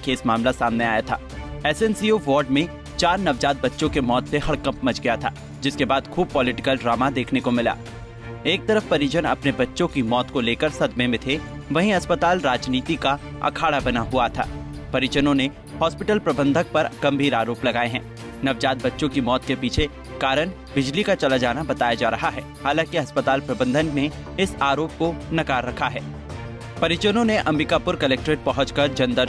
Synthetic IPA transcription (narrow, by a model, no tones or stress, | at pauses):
kʰeːsmaːmlasaːmneaːjat̪ʰa̰ːɛːsɛnsioʋɔːɾɖmẽ | t͡ʃaːɾnɐʋd͡ʒaːt̪̚bɐtːʃõkemɔːt̪seɦɐɽkɐ̃mpmɐt͡ʃɡɐjat̪ʰa̰ː | d͡ʒɪskebaːd̪xʰuːb̚pɔːlɪʈɪkəlɖɾaːmad̪eːkʰnekomɪla̰ː | eːk̚t̪ɐɾəfpɐɾɪt͡ʃənɐ̰pnebɐtːʃõkimɔːt̪koleːkəɾsɐd̪mẽmẽt̪ʰe | ʋɐɦĩɐspət̪aːlɾaːd͡ʒniːt̪ikaɐ̰kʰaːɽabɐnaɦuat̪ʰa̰ː | pɐɾɪt͡ʃənõne | hɔːspɪʈəlpɾɐbə̃nd̪ʱək̚pɐɾɡ̥ɐ̃mbʱiːɾaːɾoːplɐɡaːeɦɛ̰̃ː | nɐʋd͡ʒaːd̪̚bɐtːʃõkimɔːt̪kepiːt͡ʃʰe | kaːɾəɽ̃ | bɪd͡ʒlikat͡ʃɐlad͡ʒaːnabɐt̪aːjad͡ʒaːɾɐɦaɦɛːhaːlãːkiɐspət̪aːlpɾɐbə̃nd̪ʱənne | ɪsaːɾoːp̚konɐkaːɾːɐkʰaɦɛː | pɐɾɪt͡ʃənõneʔɐ̃mbɪkaːpʊɾkɐlɛːk̚ʈɾeːʈ̚pɐɦʊ̃t͡ʃkɐɾd͡ʒɐ̃nd̪əɾ